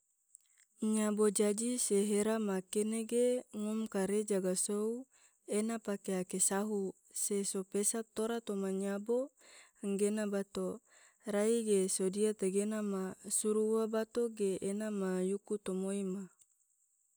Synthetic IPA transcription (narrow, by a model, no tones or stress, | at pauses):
ɲabod͡ʒad͡ʒiseɦeɾamakeneɡeŋɔmkaɾed͡ʒaɡasou | enapakeakesaɦu | sesopesat̪oɾat̪omaɲabo | ŋɡenabat̪o | raiɡesodiat̪aɡenamasuɾuwabat̪oɡeːnamajukut̪omoima